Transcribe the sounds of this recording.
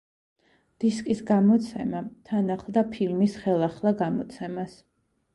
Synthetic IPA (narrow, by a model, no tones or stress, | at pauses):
d̪̥iskʼisɡamɔt̪sʰɛmat̪ʰanaχlˠd̪apʰilmisχɛlˠaχlˠaɡamɔt̪sʰɛmas